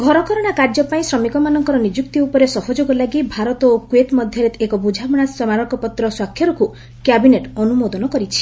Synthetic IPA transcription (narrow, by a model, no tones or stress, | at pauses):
ɡʱɔɾɔkɔɾɔɽ̃akaɾd͡ʒɔpaĩsɾɔmikɔmanɔŋkɔɾɔnid͡ʒuk̚t̪iupɔɾesɔhɔd͡ʒoɡɔlaɡibʱaɾɔt̪ɔokuet̪mɔd̪ʱjɔɾet̪ʰekɔbud͡ʒʱabɔɽ̃asɔmaɾɔkɔpɔt̪ɾɔswakʰːjɔɾɔku | kabineʈɔnumod̪ɔnɔkɔɾit͡ʃʰi̥